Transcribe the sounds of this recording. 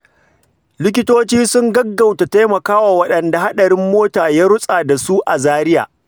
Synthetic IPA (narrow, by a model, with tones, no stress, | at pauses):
lɪ˦kʲɪ˦toː˦t͡ʃiː˦sʊ˦ŋɡɐ˦ɡːa˨wta˨ta˦jmɐ˨kaː˦waː˨wɐ˦ɗɐ˨nda˨ha˦ɗɐ˨ɾɪ˦mːoː˦taː˨jaː˦ɾʊ˦sʼa˨da˨su˦ʔa˨zaː˦ɾɪ˦ja̰ː˨